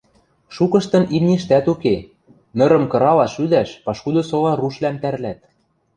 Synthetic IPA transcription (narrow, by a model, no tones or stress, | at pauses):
ʃukɤ̆ʃt̪ɤ̆nimnʲiʃt̪æt̪uke | nɤ̆ɾɤ̆mkɤ̆ɾɑlɑʃyd̪æʃpɑʃkud̪ŏsolɑruʃlæmt̪æɾlæt̪̚